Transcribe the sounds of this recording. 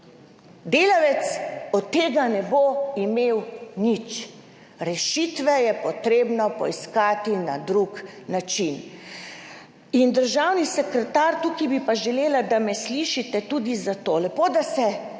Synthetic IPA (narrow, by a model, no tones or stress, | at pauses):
d̪eːlaʋɛt̪sɔt̪ːeːɡanɛboimewnit͡ʃ | ɾɛʃit̪ʋɛjɛpɔt̪ɾeːbnɔpɔ̰iskaːt̪inad̪ɾuknat͡ʃin | ind̪əɾʒawnisɛkɾɛt̪aɾt̪ukibipaʒɛleːlad̪amɛsliʃit̪ɛt̪ud̪izat̪oːlɛpod̪asɛ